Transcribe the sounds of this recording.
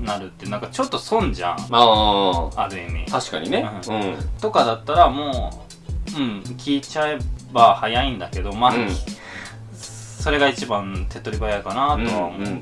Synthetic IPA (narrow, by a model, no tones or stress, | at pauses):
naɾɯ̟t̪ːeɯnãŋkat͡ɕo̞t̪ːo̞sõ̞ɲd͡ʑã̰ɴaːabɯ̟emʲḭt̪aɕi̥ka̰ɲineɯ̟̃ɯ̃t̪o̞kad̪at̪ːaɾamoː | ɯ̟̃ɴkʲiːt͡ɕae̞bahajaĩnd̪ake̞d̪o̞maː | so̞ɾe̞ɡait͡ɕibãnt̪ʰe̞t̪ːoɾʲibajakanat̪o̞βamo